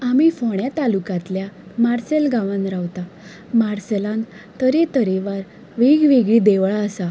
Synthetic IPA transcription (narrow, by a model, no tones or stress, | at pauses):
amifɔɳjat̪alukat̪ljamaɾselɡaʋãnɾaʋt̪a | maɾselãn | t̪əɾet̪əɾeʋaɾ | ʋeɡʋeɡɭiːd̪eʋɭaəsa